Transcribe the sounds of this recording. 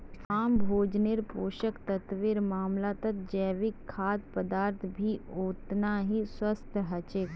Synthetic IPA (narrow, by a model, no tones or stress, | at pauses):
aːmbʱoːd͡ʒneɾpoːʃəkt̪ɐt̪ʋɪɾmaːmlat̪ɐt̪d͡ʒɛːʋɪkʰːaːd̪̚pəd̪aːɾt̪ʰbʱioːt̪naɦiswəst̪ʰɦɐt͡ʃek